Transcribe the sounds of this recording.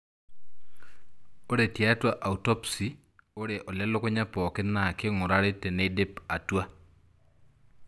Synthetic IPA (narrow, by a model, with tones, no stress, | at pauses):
o˦ɾe˨tja˦twa˦ʔa˨u˨tɔ˦psi˨ | o˦ɾe˨ʔɔ˨ljɛ˦lʊ˦ko˦ɲa˦pɔ˨kɪ˦na˨kɪ˦ŋʊ˨ɾa˦ɾɪ˦te˨ne˦de˦pa˨twa˦